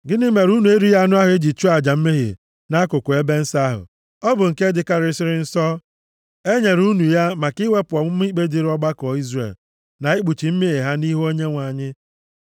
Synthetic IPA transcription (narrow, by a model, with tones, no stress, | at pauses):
ɡɪ˦nɪ˦me˨ɾu˦nu˨e˦ɾi˦ja˦a˦nʊ˦a˦ɦʊ˨e˦d͡ʒi˨t͡ʃu˦a˨d͡ʒa˨m̩˦me˦ɦɪ̰˨ | na˦kʊ˨kʷʊ˨e˦be˦n̩˦sa˦ɦʊ̰˨ | ɔ˦bʊ˨ŋ̩˨ke˦dɪ˦ka˦ɾɪ˦sɪ˦ɾɪ˦n̩˦sɔ˦ | e˦ɲe˨ɾu˦nu˨ja˦ma˨kɪ˦we˦pʊ˨ɔ˨mʊ˦m˦i˦k͡pe˦di˦ɾɔ˦ɡ͡ba˦kɔ˨i˦zrḛ˨l | na˨e˦k͡pu˨t͡ʃi˨m̩˦me˦e˨ɦa˦ni˦ɦo˦ɲe˦ŋʷa˨ɲɪ˦